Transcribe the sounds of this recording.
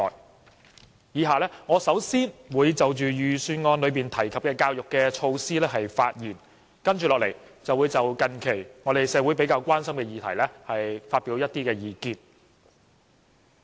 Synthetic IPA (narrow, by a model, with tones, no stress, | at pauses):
j | jiː˨˧ɦaː˨lɛː˥ŋɔː˨˧sɐ˨˥wsiː˥nwuː˨˧jt͡sɐ˨wt͡ʃyː˨jyː˨syː˧nŋɔː˧nlɵ˨˧ɥpiː˨˩nt̪ʰɐ˨˩jkʰɐ˨p̚kɛː˧kaː˧wjʊ˨kːɛː˧t͡ʃʰo˧wsiː˥lɛː˥ɦɐ˨jfaː˧t̚jiː˨˩n | kɐ˥nt͡ʃyː˨lɔː˨k̚le˨˩jt͡sɐ˨wu˨˧jt͡sɐ˨wkɐ˨˩nkʰe˨˩jŋɔː˨˧ɾe˨jsɛː˨˧wu˨˥jpe˨˧˥jkaː˧wkʷaː˥nsɐ˥mkɛ˧jiː˨t̪ʰɐ˨˩jlɛː˥hɐ˨jfaː˧t̚pi˨˧˥wjɐ˥t̪iː˥kɛː˧jiː˨˩kiː˧n